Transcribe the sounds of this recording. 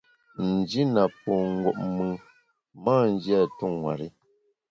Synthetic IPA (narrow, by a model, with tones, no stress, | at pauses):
n̩˨d͡ʒi˦na˨pɔ˨ŋ̩˦ɡwɔ̰˨ʔ̚mɨ˨ | maː˦˨n̩˦d͡ʒja˦˨tu˦˨ŋŋwa̰˨ɾi˦